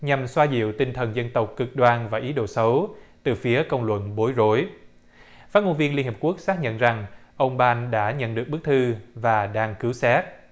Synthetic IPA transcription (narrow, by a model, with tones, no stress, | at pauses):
ɲa˨˩mswaː˧zḭ˧˨əwt̪ï˧ŋt̪ʰə˨˩nzə˧nt̪ə˨˩wk͡p̚kɨ˨˩k̚ɗwaː˧nvaː˨˩ʔi˨˦ɗo̰˧˩sə˨˦wt̪ɨ˨˩fi˨˦əkə˧wŋ͡mlwə̰˧˨nɓo˨˦jzo˨˦j | faː˦˥t̚mo˧nvi˧ənli˧nhi˨˩p̚ku˦˥ək̚saː˦˥k̚ɲə̰˧˨nza˨˩ŋʔə˧wŋ͡mɓaː˧nɗa̰ː˧˥ɲə̰˧˨nɗɨ˨˩ək̚ɓɨ˦˥k̚t̪ʰɨ˧vaː˨˩ɗaː˧ŋkɨ˨˦wsɛ˦˥t̚